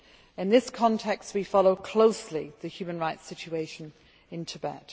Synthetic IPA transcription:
ɪ̃nðɪskʰɒ̃ntʰɛkst̚wifɒloʊkʰl̥oʊsliðɨhjʉːmə̃nɹaɪtsɪt͡ʃueɪʃə̃n | ɪ̃ntʰəbɛ̰t

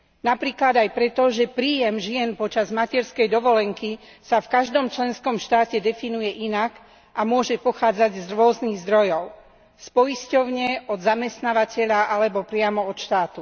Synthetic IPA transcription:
napɾiːklad̪ajpɾɛt̪ɔʒɛpɾiːjɛmʒɪɛnpɔt͡ʃazmacɛɾskɛjd̪ɔʋɔlɛŋkisafkaʒd̪ɔmt͡ʃlɛnskɔmʃt̪aːcɛd̪ɛfinujɛʔinak | ʔamʊɔʒɛpɔxaːd͡zaɟzɾʊɔzniɣzd̪ɾɔjɔʊ | spɔjiscɔʊɲɛɔd̪zamɛst̪naːʋacɛʎaʔalɛbɔpɾɪamɔɔt̪ʃt̪aːt̪u

